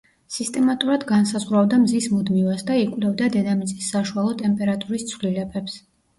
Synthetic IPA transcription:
sist̪ʼɛmat̪ʼuɾad̪ɡansazʁɾavd̪amzismud̪mivasd̪aikʼwlɛvd̪ad̪ɛd̪amit̪sʼisːaʃualˠɔt̪ʼɛmpʼɛɾat̪ʼuɾist̪sʰvlilɛbɛps

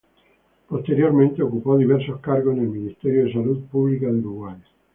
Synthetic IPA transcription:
post̪eɾjoɾmẽnt̪eokupoðiβ̞ɛɾsoskaɾɣosnelmĩnist̪eɾjoðes̬alut̪̚puβlikaðeuɾuɣwaʎa

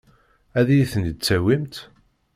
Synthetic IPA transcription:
æðæjiθənəd̪̚t͡sːæwimt̪

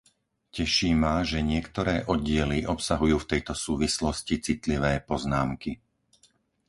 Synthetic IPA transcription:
cɛʃiːmaʒɛɲɪɛkt̪ɔɾɛːʔɔɟɪɛliʔɔpsaɦujuːft̪ɛjt̪ɔsuːʋislɔscit͡sit̪liʋɛːpɔznaːmki

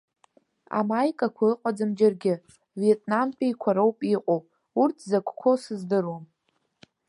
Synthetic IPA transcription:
a̰majkʼakʷʰaɨqʷʼad͡zɨmd͡ʒarɡʲɪ | vietʼnampʰʼajkʷʰaɾowpʼiqʼowpʼ | urtʰzakʷʰkʷʰo̞sɨzdɨrom

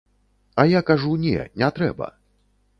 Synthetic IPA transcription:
ajakaʐunʲɛ̰nʲɛt̪ɾɛ̰bɐ̰

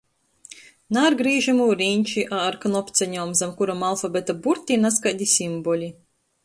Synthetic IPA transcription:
naɾɡɾiːʒamuːɾinʲt͡ʃiʔaɾkanɔpt̪sɛɲɔːmzamkuɾɔmalˠfabɛt̪abuɾt̪ʲinas̬kad̪ʲisimbɔlʲi

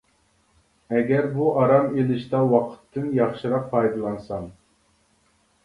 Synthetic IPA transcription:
ɛɡʲæɾbuʔɑɾɑmelɪʃt̪ɑwɑqʰə̥t̪ʰːɨnjɑχʃɨɾɑq̚pʰɑjd̪ɨlˠɑnsɑm

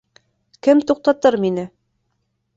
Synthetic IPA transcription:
kɘmt̪uq̚t̪ɑt̪ɤɾminɘ

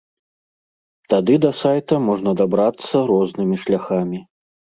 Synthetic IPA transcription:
t̪ad̪ɨd̪ɐsajt̪ɐmɔʐnɐd̪abɾat̪sːɐɾɔznɨmʲiʂlʲaxamʲi

